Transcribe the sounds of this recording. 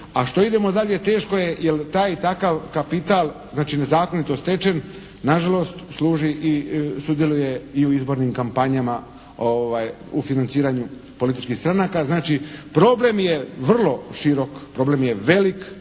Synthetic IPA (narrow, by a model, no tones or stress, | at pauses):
aʃt̪o̞id̪e̞mo̞d̪aʎe̞t̪e̞ːʃko̞je̞jelt̪aːjt̪akaʋkapit̪alˠ | znaːt͡ʃine̞zaːko̞nit̪o̞st̪e̞t͡ʃe̞n | naʒalo̞st̪sluːʒiʔisud̪je̞luje̞iuizbo̞ɾnimkampaɲama | oʋaːj | ufinant̪siːɾaɲu | po̞lit̪i̥t͡ʃkixst̪ɾanaːkaznaːt͡ʃipɾo̞ble̞mje̞ʋr̩lˠo̞ʃiɾo̞kpɾo̞ːble̞mje̞ʋe̞lik